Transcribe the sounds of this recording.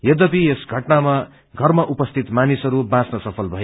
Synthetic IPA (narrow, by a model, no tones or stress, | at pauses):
jʌd̪ʌpiesɡʱʌʈnama | ɡʱʌrmaʔupʌst̪ʰit̪manisʌɾubãsnʌsʌpʰʌlbʱʌjo